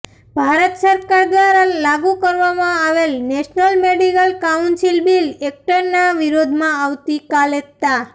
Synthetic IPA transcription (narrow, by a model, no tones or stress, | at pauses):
bʱaɾət̪səɾkaɾd̪ʋaɾalaɡukəɾʋamãaʋelneʃnəlmeɖikəlkaunsilbilek̚ʈəɾnaʋiɾod̪ʱmãaʋt̪ikalet̪a